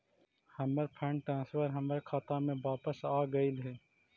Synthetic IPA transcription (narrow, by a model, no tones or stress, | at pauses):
hɐməɾpʰɛ̃ːɳʈɾãːnsfəɾɦɐməɾkʰaːt̪amẽʋaːpəsaːɡəilɦɛː